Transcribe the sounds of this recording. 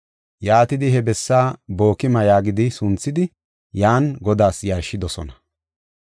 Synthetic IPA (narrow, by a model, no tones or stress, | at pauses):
jaːt̪ɪd̪ɪhɛbɛsːaːbo̞ːkɪmɐjaːɡɪd̪ɪsʊnt͡sːɪd̪ɪ | jaːnɡɔd̪aːsjaɾʃːɪd̪ɔsɔ̰nɐ̥